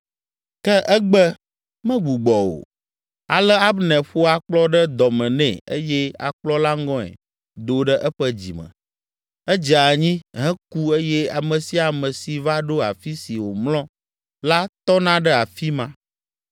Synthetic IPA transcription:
kɛ˦ʔɛ˦ɡ͡bɛ˦ | mɛ̃˦ɡ͡bu˨ɡ͡bɔ˨o̰˨ | a˨lɛ˦a˦bnɛ̃˨ɸo˦a˦k͡plɔ˦ɖə˦d̪ɔ˨mɛ̃˨nɛ̰̃˨ḛ˦jɛ˦a̰˨k͡plɔ˦la˦ŋ˦ɡɔ̃˦ɛ̰˨ | d̪o˨ɖɛ˦ʔɛ˦ɸə˦d͡ʑḭ˨mə̰̃˨ | ɛ˦d͡ʒa˨ɲĩ˦ɦɛ̃˦ku˦e˦jɛ˦a˨mə̃˨si˦a˨mə̃˨si˨va˦ɖo˦a˨fi˦si˨wo˨mlɔ̃˦ | la˦t̪ɔ˦nã˦ɖɛ˦a˨fi˦mã˦

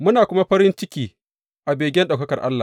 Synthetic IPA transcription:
mʊ˦naː˨kʷʊ˦ma˦ɸɐ˦ɾɪ˦nt͡ʃɪ˦kʲiː˦ | ʔa˨beː˨ɡʲɛ˦nɗa˨wkɐ˦kɐ˨ʔa̰˦lːa̰ː˨

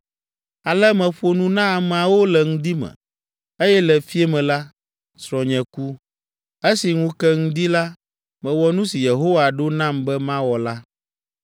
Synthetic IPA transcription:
a˨lɛ˦mɛ̃˨ɸo˨nũ˦nã˦˨mɛ˨a˨wo˦lɛ˨ŋũ˦d̪i˦mɛ̰̃˨ | e˦jɛ˦lɛ˨fi˦e˦mɛ̃˨la˦ | sɾɔ̃˨ɲɛ̃˨ku˦ | e˦si˨ŋũ˦kɛ˦ŋũ˦d̪i˦la˦ | mɛ̃˨wɔ˦nũ˦si˨je˨ɦo˦wa˨ɖo˦nã˦mbɛ˦mã˦wɔ˨la˦

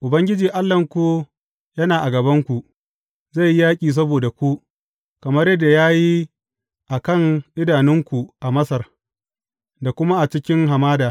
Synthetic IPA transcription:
ʔʊ˨bɐ˦ŋɡʲɪ˦d͡ʒiː˨ʔa˦lːɐ˨ŋkʷu˦ | jɐ˦naː˨ʔa˨ɡɐ˨bɐ˦ŋkʷu˨ʔ | za˦˨jjaː˦kʲʼiː˨s̬ɐ˦boː˨da˨kʷu˦ | kɐ˨mɐ˦rjɐ˦dːa˨jaː˦ji˦ | ʔa˨kɐ˦˨ŋʔɪ˦daː˨nɪ˦ŋkʷu˨ʔa˨mɐ˦sɐ˨r | da˨kʷʊ˦ma˦ʔa˨t͡ʃɪ˦kʲɪ˦ŋɦa˨maː˦daː˨

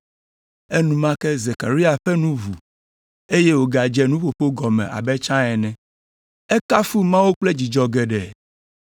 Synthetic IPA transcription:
e˦nũ˦mã˦kɛ˦ze˨ka˨ɾi˦a˨ɸɛ˦nũ˦vu˨ | e˦je˦wo˨ɡa˨d͡ʒɛ˦nũ˦ɸo˨ɸo˦ɡɔ˨mɛ̰̃˨ʔa̰˨bɛ˦t͡ʃã˦ɛ˨nɛ̃˨ | ɛ˦ka˦fu˦mã˦wo˦k͡ple˦d͡ʑi˨d͡ʒɔ˦ɡɛ˨ɖɛ˨

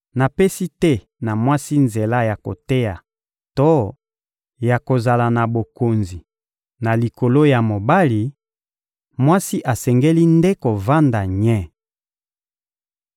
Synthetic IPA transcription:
na˨pɛ˦si˦tɛ˦ | na˨mwa˦si˦nze˨la˦ja˨ko̰˨te˦ja˨ | to˦ | ja˨ko˨za˨la˨na˨bo˨ko˨nzi˨ | na˨li˨ko˨lo˦ja˨mo˨ba˦li˨ | mwa˦si˦ʔa˨sɛ˨ŋɡe˦li˦nde˦ko˨va˦nda˨ɲɛ˦

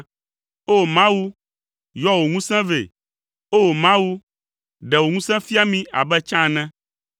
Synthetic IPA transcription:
o˦˨mã˦wu˦ | jɔ˦wo˨ŋũ˦sɛ̃˦vḛ˨ | o˦wo˨mã˦wu˦ | ɖɛ˨wo˨ŋũ˦sɛ̃˦fi˦a˦mĩ˦a̰˨bɛ˦t͡ʃã˦˨nɛ̃˦

